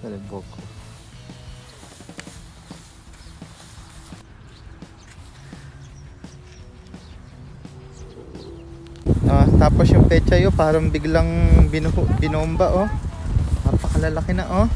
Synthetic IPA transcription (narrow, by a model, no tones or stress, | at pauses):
ɛlɛboko | ot̪aːposjʊŋpɛːt͡ʃɐjopaːɾɐŋbɪɡlaŋbɪnbɪnuʊmbaʔo | mapɐkɐlɐlakɪnɐʔo